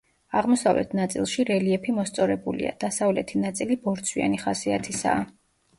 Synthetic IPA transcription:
aʁmɔsavlɛ̰t̪ʰnat̪sʼḭlˠʃiɾɛliɛpʰimɔst̪sʼɔɾɛbulḭa̰d̪̥asavlɛt̪ʰinat̪sʼilibɔɾt̪sʰwia̰niχasiat̪ʰisa̰ː

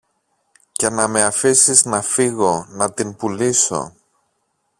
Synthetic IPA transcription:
ce̞nɐme̞ɐfisiznɐfiɣo̞nɐt̪inpuliso̞̰

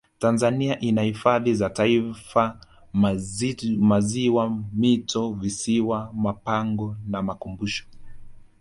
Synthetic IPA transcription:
tanzaniaʔinahifaðizataifa | maziwamitɔvisiwamapaŋɡɔnamakumbuʃɔ̥

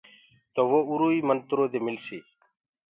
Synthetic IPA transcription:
t̪oːʋoːuɾuːiːmənt̪ʊɾoːd̪eːmɪlseː

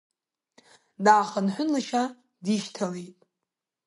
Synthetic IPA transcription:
daːχənħʷʊnlaʃa | diʃtʰalejtʼ

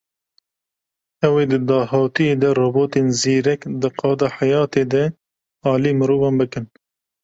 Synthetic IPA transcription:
ɛweːd̪ɨd̪ɑːhɑːt̪ijeːd̪ɛrɑːboːt̪eːnziːɾɛkd̪ɨqʰɑːd̪ɑːħajɑːt̪eːd̪ɛ | ɑːliːmɨɾuːvɑnbɨkɨn

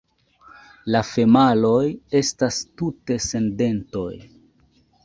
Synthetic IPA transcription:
lafe̞malo̞je̞stastute̞se̞nde̞nto̞̰j

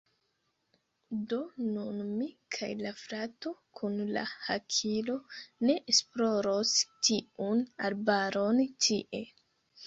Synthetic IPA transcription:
donunmikʰajlafɾato̞kʰunla̰hakʰilo̞ne̞ʔesploɾostiunaɾbaɾontʰiʔe̞

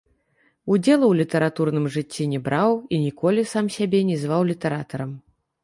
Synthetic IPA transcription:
ud͡zʲɛlˠɐwlʲit̪ɐɾat̪urnɨmʐɨt͡sʲːinʲɛbɾawinʲikɔlʲisamsʲabʲɛnʲɛzvawlʲit̪ɐɾat̪ɐɾɐm

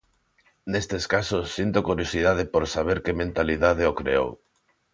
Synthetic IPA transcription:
nest̪eskasosːint̪okuɾjosiðað̞ɪpoɾsaβ̞eɾkemẽnt̪aliðaðeokɾḛo̰w

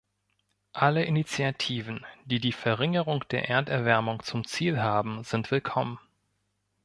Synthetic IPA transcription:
ʔaləʔɪnit͡sjatʰiːvn̩d̥iːdiːfɛɐʁɪŋəʁʊŋd̥eːɐʔeːɐtɛɐvɛɐmʊŋt͡sʊmt͡siːlɦaːbm̩zɪntv̥ɪlkʰɔmən

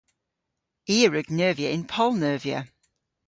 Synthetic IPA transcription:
iːəɹəɡnɜːviəɪ̃npʰɔlˠnɜːviə̰

